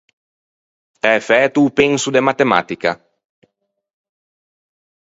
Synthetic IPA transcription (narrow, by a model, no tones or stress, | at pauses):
ɛfɛːt̪uːpeŋsud̪emat̪ema̰t̪ika